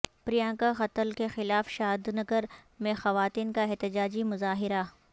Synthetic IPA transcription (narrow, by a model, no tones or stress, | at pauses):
pɾijãːkaxɐt̪əlkexɪlaːfʃaːd̪nɐɡəɾmẽxɐʋaːt̪iːnkaɪɦt̪ɪd͡ʒaːd͡ʒimʊzaːɦɪɾa